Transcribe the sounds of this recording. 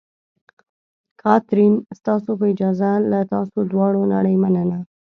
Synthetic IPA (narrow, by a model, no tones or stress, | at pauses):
kʰɑt̪ɾinst̪ɑsopəɪd͡ʒɑzalat̪ɑsod̪wɑɽona̰ɽəjmanəna